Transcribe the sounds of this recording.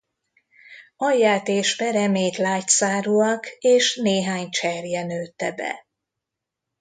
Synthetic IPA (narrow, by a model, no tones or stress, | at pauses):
ɒjːaːt̪eːʃbɛɾɛmeːt̪laːcsaːɾuɒkeːʃneːɦaːɲt͡ʃɛrjɛnøːt̪ːɛbɛ̰